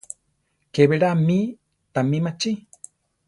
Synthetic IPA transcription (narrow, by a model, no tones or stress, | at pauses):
keβeɾami | t̪amimat͡ʃi